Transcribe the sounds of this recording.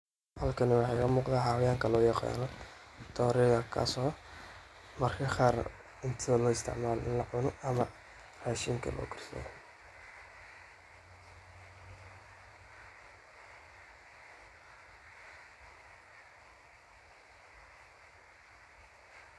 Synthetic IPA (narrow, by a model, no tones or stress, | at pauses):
hɐlkʰɐnɪwɑħɑjkɐmuːqd̪aːħaːwɐjaːŋkʰɐlɔːjɑqa̰lɔ | t̪ʰɔːɾɛɣɐkʰa̰ːsɔ | mɐrkʰɐχaːr | ɪnt̪ʰɪɐlɔːɪst̪ʰɪ̰ʕmaːlɔʔɪnlɐʕʊnɔɐmɐ | raːʃiːmkʰɐ̰lʔɔ̰ːkʰɪ̥rsɐ̰j